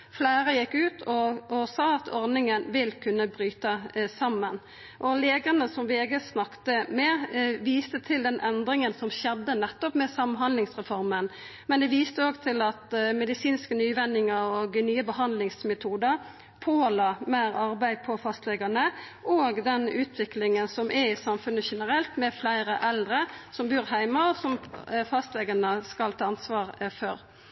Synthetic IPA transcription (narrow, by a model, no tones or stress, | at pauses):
flæːʁəjɛkːʉːt̪ʰɔɔsɑːɑt̪ʰɔʁd̪ɪŋənʋɪlkʰʉnːəbɾyːt̪əsɑmːən | ʔɔleːɡəʁnəsɔmʋɪeːɡəsnɑkt̪əmɛʋiːst̪ət̪ʰɪld̪ɛnʔɛnd̪ɾɪŋənsɔmɕɛd̪ːənɛt̪ːɔpmɛsɑmɦɑnd̪lɪŋsʁɛfɔʁmən | mɛnd̪ɛʋiːst̪əoːɡt̪ʰɪlɑt̪mɛd̪ɪsiːnskənyːʋɛnɪŋəɾoɡnyːəbəɦɑnd̪lɪŋsmɛt̪ʰuːd̪əɾ | pʰoːlɑːmæɪɾɑɾbæɪd̪̚pʰɔfɑst̪lɛɡənə | ʔoːɡd̪ɛnʉːt̪ʰʋɪklɪŋənsɔmʔɛɾɪsɑmfʉnːəʃɛnəɾɛlt̪mɛflæɪɾəʔɛld̪ɾəsɔmbʉːɾɦæɪməɔsɔmfɑst̪lɛɡənəskɑlt̪ʰɑːɑnsʋɑːʁfɔɾ